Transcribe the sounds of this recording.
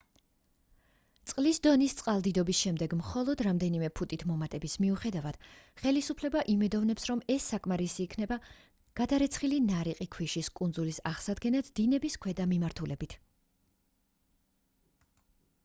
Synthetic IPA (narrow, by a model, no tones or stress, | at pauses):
t̪sʼqʼlisd̪ɔnist̪sʼqʼalˠd̪id̪ɔbisʃɛmd̪ɛɡmχɔlˠɔd̪ɾamd̪ɛnimɛpʰut̪ʼit̪ʰmɔmat̪ʼɛbismiuχɛd̪avad̪̥χɛlisupʰlɛbaʔimɛd̪ɔvnɛpsɾɔmɛsːakʼmaɾisiːkʰnɛba | ɡ̥ad̪aɾɛt̪sʰχilinaɾiqʼikʰwiʃiskʼund̪zulisaʁsad̪ɡɛnat̪ʰd̪̥inɛbiskʰwɛd̪amimaɾt̪ʰulɛbit̪ʰ